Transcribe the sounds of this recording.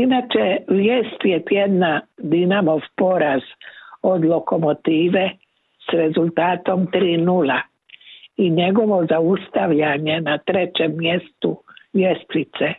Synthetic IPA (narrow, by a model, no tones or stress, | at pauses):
inat͡ʃeʋjeːst̪jet̪jed̪nad̪inamo̞ʋpo̞ɾaz̥o̞d̪loko̞mot̪iːʋe̞ | sɾe̞zulˠt̪aːt̪o̞mt̪ɾiːnula | iɲe̞ɡo̞ʋo̞zaust̪aʋʎaɲe̞nat̪ɾe̞t͡ɕe̞mːjest̪ujest̪ɾit̪se